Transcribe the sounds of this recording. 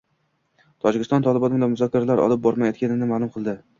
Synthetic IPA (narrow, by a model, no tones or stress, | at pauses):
t̪ʰɒd͡ʒɪkʲɪst̪ɒnt̪ʰɒlˠɪbɒnɪbɪlamʊzɒkʰʲːaɾalaɾɒ̰lˠɪp̚bɒɾmajɒt̪̚kʲanɪnɪmalˠʊmqʰɨlˠd̪ɪ